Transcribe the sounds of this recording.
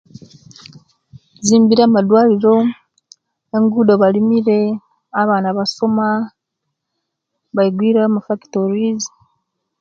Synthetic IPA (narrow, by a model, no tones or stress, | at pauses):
ziːmbiɾaamadwaːliɾo̞ | eŋɡuːdoβalimiɾe̞ | aβaːnaβasoma | βaiɡwiːɾamafaki̥toɾiz